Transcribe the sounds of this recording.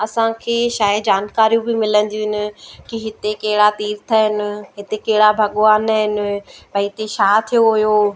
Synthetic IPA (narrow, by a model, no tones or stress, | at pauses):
ɐsãkʰeːʃaːɪd͡ʑaːnkaːɾijũbɪmɪlə̃n̆d̪ijũɦɪnɪ̆kiɦɪt̪ekɐɦɪɽat̪iːɾt̪ʰəɦɪnɪ̆ɦɪt̪ekɐɦɪɽabʱɐɠoaːnəɦɪnɪ̆bɐɪɪt̪eʃaːt̪ʰijoɦʊjoː